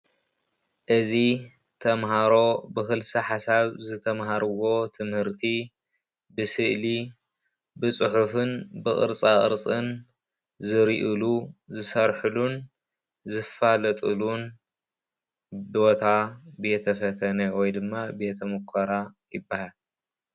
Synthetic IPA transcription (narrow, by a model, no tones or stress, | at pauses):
ʔɨzi | t̪ʰɐmɦaɾo̞bɨxɨlsɐħasaβzɨt̪ʰɐmɦaɾɨwo̞t̪ʰɨmhɨɾt̪ʰi | bɨsɨʔli | bɨt͡sʼɨħufɨnbɨχʼɨ̰ɾt͡sʼakʼɨ̰ɾt͡sʼɨn | zɨɾiʔɨluzɨsɐɾħɨlun | zɨfalɐt̪ʼɨlun | bo̞t̪ʰabet̪ʰɐfɐt̪ʰɐnɐwɔjd̪ɨmːabe̞t̪ʰɐmukʰaɾa | jɪbːahal